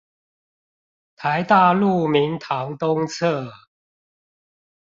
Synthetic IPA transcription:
t̪ʰa˨˦ɪt̪a˥˧lu˥˩mi˨˦nt̪ʰɑ˨˦ŋt̪ʊ˦ŋt͡sʰɤ˥˨

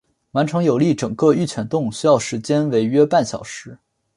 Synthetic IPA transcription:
wa˧˥nʈ͡ʂʰɤ˧˥ŋjo˨˩ʊli˥˩ʈ͡ʂɤ˨˩ŋkɤ˥˧y˥˩t͡ɕʰɥɛ˨˩nt̪ʊ˥˩ŋɕy˥jɑ˥˩ʊʂɻ̩˧˥t͡ɕjɛ˥nwe˧˥ɪɥɛ˥pa˥˩nɕjɑ˨˩ʊʂɻ̩˧˥

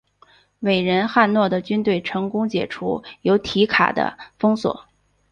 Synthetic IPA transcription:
we˨˩ɪɻə˧˥nxa˥˧nnwɔ˥˩d̪ə˩t͡ɕy˥nt̪we˥˩ɪʈ͡ʂʰɤ˧˥ŋkʊ˥ŋt͡ɕjɛ̰˨˩ʈ͡ʂʰṵ˧˥jo˧˥ʊt̪ʰi˧˥kʰa̰˨˩d̪ə̰˦fɤ˥ŋswɔ̰˨˩˦

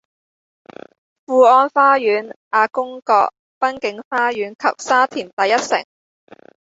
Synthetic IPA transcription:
fuː˧ɔː˧nfaː˥jyː˨˥nʔaː˧kʊ˥ŋkɔ̰ː˧k̚ | pɐ˥nkɪ˨˥ŋfaː˥jyː˨˥nkʰɐ̰˨p̚saː˥t̪ʰiː˨˩nt̪ɐ˨˧jːɐ˥t̚sɪ̰˨˩ŋ

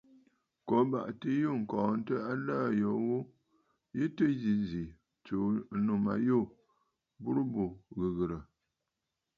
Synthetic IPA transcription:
ko˨˦ba̰˨ʔti˦ju˦ŋ̩˨kɔ̃ː˨n̩˦tə˦a˦laː˦˨jɔ˨wu˦ | ji˦tə˦zi˨zi˨ | t͡ʃo˨˦nu˨ma̰˨jo˦˨ | bu˦ɾu˦bu˨ɣɨ˨ɣɨ˨ɾə˨

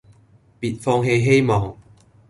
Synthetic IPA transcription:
pi˨˩t̚fɔ˧ŋɦe˧ɦe˦˥jmɔ˨˦ŋ

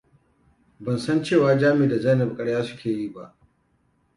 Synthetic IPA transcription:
bɐ˨nsɐ˦nt͡ʃeː˦˨waː˨d͡ʒaː˦mɪ˨da˨za˦jnɐ˨b̚kʼɐ˦ɽjaː˦sʊ̥˦kʲeː˨ji˦˨ba̰˦ʔ

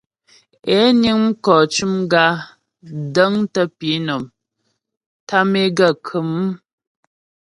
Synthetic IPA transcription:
ɛ˨˦ni˦ŋm̩˦kɔː˨t͡ʃu˦mɡa˦ | də˦ŋtə˦pi˨˦nɔ˨m | ta˦me˦ɡa˦˨kʰɨ˨˦m˦

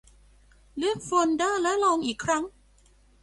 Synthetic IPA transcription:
lɯ˥˩ək̚foː˧ndaː˥˩lɛ˦˥lɔː˧ŋʔiː˨˩kʰɾa˦˥ŋ

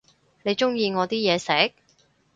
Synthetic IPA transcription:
ne˨˧jt͡ʃʊ˥ŋjiː˧ŋɔː˨˧t̪iː˥jɛː˨˧sɛː˨˥k̚

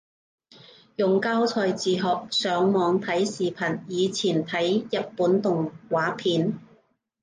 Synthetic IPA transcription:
jʊ˨ŋkaː˥wt͡sʰɔː˨jt͡siː˨ɦɔː˨˩k̚sœː˨˥ŋmɔː˨˧ŋt̪ʰɐ˨˥jsiː˨pʰɐ˨˩njiː˨˧t͡sʰiː˨˩nt̪ʰɐ˨˥jjɐ˨t̚puː˨˥nt̪ʊ˨ŋwaː˨˥pʰiː˨˥n

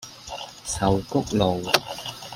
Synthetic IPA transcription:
sɐ˨˩wkʊ˥k̚lo˨w

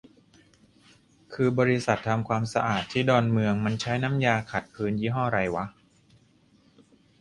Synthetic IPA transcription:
kʰɯː˧bɔː˧ɾi˦˥sa˨˩t̪ʰːa˧mkʰwaː˧msa˧ʔaː˨˩t̪ʰːiː˥˩dɔː˧nmɯ˧əŋma˧nt͡ɕʰa˦˥jna˦˥mjaː˧kʰa˨˩t̪̚pʰɯː˦˥njiː˦˥˩ɦɔː˥˩ɾa˧jwa˦˥ʔ

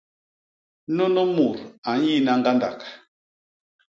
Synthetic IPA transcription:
no˦no˦mu˨ɾa˨ɲi˦˨na˦ŋɡa˦nda̰˨k

